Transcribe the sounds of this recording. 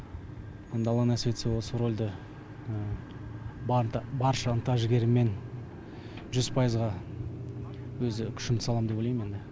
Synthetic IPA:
je̞nd̪ɑlˠɑnæsvʲet̪sewosəɾo̞lʲd̪ə | bɑɾʃəənt̪ɑʒɡʲe̞ɾɪme̞n | ʒʏzpʰɑjəzʁɑ | wɵzɪkʲʰʏ̥ʃɪmt̪ɪsɑlˠɑmd̪eolʲejme̞nd̪ɪ

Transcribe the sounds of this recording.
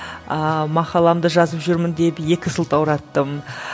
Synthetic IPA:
əmɑqɑlˠɑmd̪əʒɑzəpʒʏɾmɪnd̪e̞pje̞kʲɪsəlˠt̪ɑwɾɑt̪ːəm

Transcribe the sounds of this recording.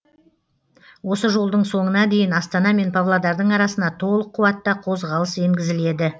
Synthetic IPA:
wo̞səʒo̞lˠd̪əɴso̞ɴənɑd̪e̞jɪnɑst̪ɑnɑme̞npʰavlˠad̪ɑɾd̪əɴɑɾɑsənd̪ɑt̪ʰo̞lˠəqʰːʊwɑt̪ːɑqʰo̞zʁɑlˠəse̞ŋɡʲɪzɪle̞d̪ɪ

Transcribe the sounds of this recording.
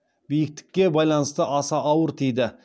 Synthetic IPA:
bijɪk̚t̪ɪ̥kʲːe̞bɑjlˠɑnəst̪əʔɑsɑʔɑwəɾt̪ʰijd̪ɪ

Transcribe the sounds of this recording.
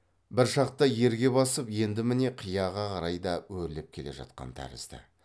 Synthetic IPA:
bɪɾʃɑq̚t̪ɑje̞ɾɡʲe̞bɑsəpje̞nd̪ɪmɪne̞qʰijɑʁɑqʰɑɾɑjd̪ɑwɵɾɪlep̚kʲʰe̞le̞̰ʒɑ̰t̪̚qɑ̰nt̪ʰæ̰ɾɪ̰z̥d̪ɪ̰

